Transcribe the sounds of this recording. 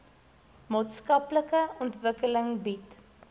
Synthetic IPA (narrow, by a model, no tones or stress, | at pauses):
mɑːtskɐpləkəɔntvəkələŋbit